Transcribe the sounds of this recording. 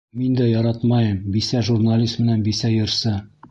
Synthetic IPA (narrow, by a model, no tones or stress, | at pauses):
mind̪æjɒɾɑt̪mɑjɤmbisæʒurnalʲist̪mɘ̆nænbisæjŏɾsɤ